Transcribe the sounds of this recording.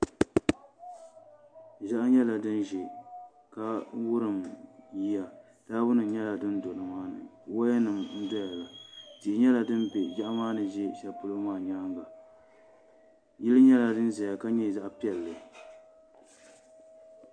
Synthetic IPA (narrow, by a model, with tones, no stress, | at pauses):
ʒa˦ʔa˦ɲɛ˦la˨dɨ˦nʒɪ˨ | ka˦wʊ˦ɾɨ˨mji˦ja˨ | d̥aː˦bʊ˦nɨ˨ɲɛ˦la˨dɨ˦ndo˨nɨ˨maː˦nɨ̰˨ | wa˦ja˦nɨ˨mn̩˦dɔ˦ja˨la˨ti˨ɪ˨ɲɛ˦la˨dɨ˦n˦be˨d͡ʒa˦ʔa˦maː˦nɨ˨ʒɪ˦ʃɛ˨˦lpʊ˦lo˦maː˦˨ɲaː˦ŋɡa˨ | jɪ˦lɨ˦ɲɛ˦la˨dɨ˦nza˨ja˨ka˦ɲɛ˦˨za˦ʔpi˦ɛ˨lːɨ˨